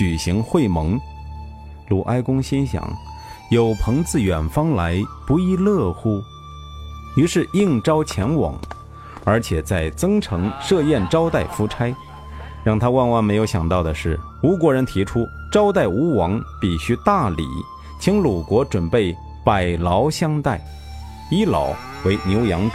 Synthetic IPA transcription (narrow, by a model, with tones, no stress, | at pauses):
t͡ɕy˨˩ɕi˧˥ŋxwe˥˩ɪmɤ˧˥ŋ | lu˨˩ʔa˥ɪkʊ˥ŋɕi˥nɕjɑ̰˨˩˦ŋ | jo˨˩ʊpʰɤ˧˥ŋt͡sɹ̩˥˧ɥɛ˨˩nfɑ˥ŋla˧˥ɪpu˧˥i˥˧lɤ˥˩xu˥˩ | y˧˥ʂɻ̩˥˧i˥˩˧ŋʈ͡ʂɑ˥ʊt͡ɕʰjɛ˧˥nwɑ̰˨˩˦ŋ | ə˞˧˥t͡ɕʰjɛ˨˩t͡sa˥˩ɪt͡sɤ˥ŋʈ͡ʂʰɤ˧˥ŋʂɤ˥˧jɛ˥˩nʈ͡ʂɑ˥ʊt̪a˥˩ɪfu˥ʈ͡ʂʰa˥ɪ | ɻɑ˥˩ŋt̪ʰa˥wa˥˧nwa˥˩nme˧˥ɪjo˧˥ʊɕjɑ̰˨˩ŋt̪ɑ˥˩ʊd̪ə˩ʂɻ̩˥˩ | u˧˥k̬wɔ˧˥ɻə˧˥nt̪ʰi˧˥ʈ͡ʂʰu˥ | ʈ͡ʂɑ˥ʊt̪a˥˩ɪu˧˥wɑ˧˥ŋpi˨˩ɕy˧˥t̪a˥˩lḭ˨˩˦ | t͡ɕʰi˧˥ŋlu˨˩kwɔ˧˥ʈ͡ʂwə˨˩npe˥˩ɪ | pa˨˩ɪlɑ˧˥ʊɕjɑ˥ŋt̪a˥˩ɪ | i˥lɑ̰˧˥ʊ | we˧˥ɪnjo˧˥ʊjɑ˧˥ŋʈ͡ʂ